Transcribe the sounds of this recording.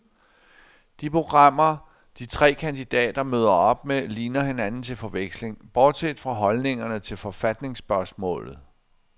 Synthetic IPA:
d̥ipʰʁo̝ɡ̥ʁɑ̈m̰ɐ | d̥it͡sʰʁɛ̰ːkʰænd̥id̥ɛ̰ːd̥ɐmøð̞ˠɐɒ̽b̥meliːnɐɦe̝nænn̩t͡sʰe̝lfɒ̽ʋeɡ̥sle̝ŋb̥ɒːd̥sed̥fʁɑ̈ɦɒ̽lne̝ŋɐnət͡sʰe̝lfɒ̽fæd̥ne̝ŋsb̥ɶɐsmɔ̰̽ːlð̩ˠ

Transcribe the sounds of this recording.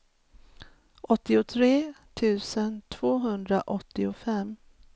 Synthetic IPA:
ʔɔt̪ːɪʊt̪ʰɾeːt̪ʰʉ̟ːsənt̪ʰvoːɦɵnd̪ɾaʔɔt̪ːɪʊfɛm

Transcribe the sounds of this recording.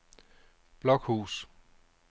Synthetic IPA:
b̥lɒɡ̥hṵːs

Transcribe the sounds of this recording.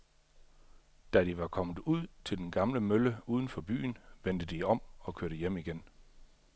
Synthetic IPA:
d̥æd̥iʋɑ̈kʰɒ̽məð̩ˠuð̰ˠt͡sʰe̝ld̥enɡ̥ɑ̈mləmøləuːð̞ˠən̩fɒ̽b̥y̰ːnʋend̥əd̥iɒ̽m̰ɒ̽kʰøɐɾ̥əjem̰iɡ̥en

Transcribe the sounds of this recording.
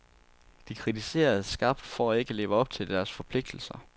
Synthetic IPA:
d̥ikʰʁit͡sʰise̝̰ːɐð̩ˠsɡ̥ɑ̈ːb̥d̥fɒæe̝ɡ̥əle̝ːʊəɒ̽b̥̚t͡sʰe̝ld̥æɐsfɒ̽pʰle̝ɡ̥̚d̥l̩sɐ

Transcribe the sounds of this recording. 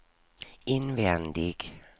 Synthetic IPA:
ɪnvɛnd̪ɪɡ̥

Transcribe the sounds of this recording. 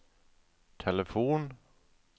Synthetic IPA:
t̪ʰɛləfuːn

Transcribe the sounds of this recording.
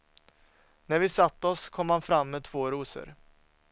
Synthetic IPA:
næɾvɪsat̪ːəɔskʰɔmːhanfɾamːeːd̪t̪ʰvoːɾuːsə̰ɾ

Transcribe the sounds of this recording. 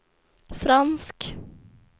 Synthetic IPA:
fɾɑnsk

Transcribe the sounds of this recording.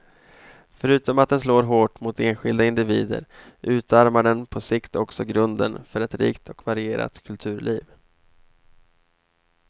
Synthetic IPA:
fœɾʉ̟ːt̪ɔmat̪̚d̪ɛnsloːɾɦoːʈmʊt̪eːnɧɪld̪aɪnd̪ɪviːd̪ə̰ɾʔʉ̟ːt̪ʰaɾmaɖɛnpʰɔsɪkt̪ʰɔksɔɡɾɵnd̪ə̰nfœɾɛt̪ɾḭːkt̪ʰɔkvaɾɪeːɾa̰t̪kʰɵlt̪ʰʉ̟ːɾɭʔiːv

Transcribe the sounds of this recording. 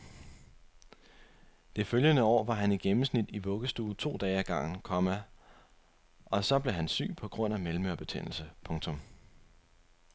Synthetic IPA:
d̥e̝føljənəɒ̰ːʋɑ̈ɦæniɡ̥emm̩snid̥iʋɔ̽ɡ̥əsd̥uːt͡sʰo̝̰ːd̥ɛːɪæɡ̥ɑ̈ŋ̰n̩kʰɒ̽mæ | ɒ̽sɒ̽b̥le̝ɦænsy̰ːpʰɒ̽ɡ̥ʁɔ̽n̰æmelm̩øɐb̥e̝t͡sʰḛn̰l̩səpʰɔ̽ŋt͡sʰɔ̽m

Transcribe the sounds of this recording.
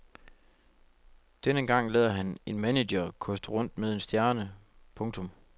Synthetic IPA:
d̥enəɡ̥ɑ̈ŋ̰lɛ̰ðˠɐɦæne̝nmænejɐkʰɔ̽sd̥əʁɔ̽n̰d̥meðˠe̝nsd̥jæɐnəpʰɔ̽ŋt͡sʰɔ̽m

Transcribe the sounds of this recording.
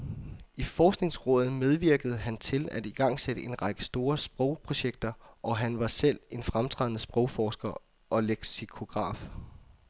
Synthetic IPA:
ifɒːsɡ̥ne̝ŋsʁɔ̰̽ːð̩ˠmeð̞ˠʋiɐ̰ɡ̥əð̞̩ˠəɦænt͡sʰe̝læd̥iɡ̥ɑ̈ŋ̰seɾəʔe̝nʁɑ̈ɡ̥əsd̥o̝ːɐsb̥ʁɔ̽ʊpʰʁo̝ɕeɡ̥̚d̥ɐʔɒ̽ɦænʋɑ̈sel̰e̝nfʁamt͡sʰʁɛ̰ðˠnəsb̥ʁɔ̽ʊfɒːsɡ̥ɐ | ʔɒ̽leɡ̥sikʰo̝ɡ̥ʁɑ̰̈ːf

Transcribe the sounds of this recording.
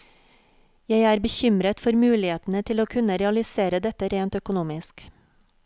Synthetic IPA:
jæɪæːɾbəçʏmɾət̪fɔɾmʉːlɪheːt̪n̩ət̪ʰɪloːkʰʉnəɾɛɑlɪseːɾəd̪ɛt̪əɾeːnt̪œkʊnuːmɪsk

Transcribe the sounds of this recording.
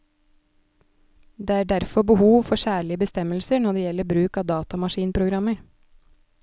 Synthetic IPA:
d̪eːæːɖæɾfɔbəhuːʋfɔsæːɭɪəbəst̪ɛməlsənɔɖeːjɛləbɾʉːkɑːʋd̪ɑːt̪ɑmɑʃiːnpʰɾʊɡɾɑmə

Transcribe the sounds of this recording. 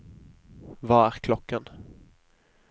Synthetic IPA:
vɑæɾkʰlɔkːən

